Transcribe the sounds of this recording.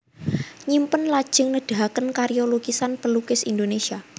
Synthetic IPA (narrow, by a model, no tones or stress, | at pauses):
ɲimpənlad̥ʒ̥ə̤ŋnəd̥a̤ɦkənkaɾioloɡ̥isanpəlukɪsind̪onesia